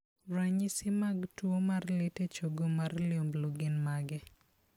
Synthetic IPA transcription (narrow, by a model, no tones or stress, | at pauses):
ɾaɲɪsɪmaɡtwomarlɪtet͡ʃoɡomarlɪombloɡɪnmaɡɛ